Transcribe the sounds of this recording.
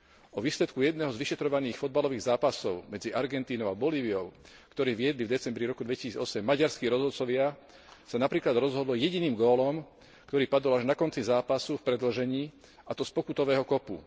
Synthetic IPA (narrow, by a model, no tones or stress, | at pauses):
ɔʋiːslɛt̪kujɛd̪̚nɛɦɔzʋiʃɛt̪ɾɔʋaniːxfɔd̪balɔʋiːɣzaːpasɔʊmɛd͡ziʔaɾɡɛnt̪iːnɔʊabɔliːʋiɔʊ | kt̪ɔɾiːʋɪɛd̪livd̪ɛt͡sɛmbɾiɾɔkud̪ʋɛci̥siːd͡zɔsɛmːaɟaɾskiːɾɔzɦɔt̪t͡sɔʋɪa | sanapɾiːklad̪ɾɔzɦɔd̪lɔjɛɟiniːmɡɔːlɔm | kt̪ɔɾiːpad̪ɔlaʒnakɔnt͡sizaːpasufpɾɛd̪l̩ʒɛɲiː | at̪ɔspɔkut̪ɔʋɛːɦɔkɔpu